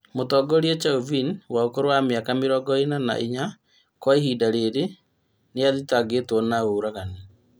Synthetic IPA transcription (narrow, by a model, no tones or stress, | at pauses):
motɔːɡɔɾiɛt͡ʃauvinwaokoɾowamjakameɾɔɡɔinana̰ʔiɲa | kwaehiːdaɾeɾe | neaðitaɡetwɔnaoɾaɣane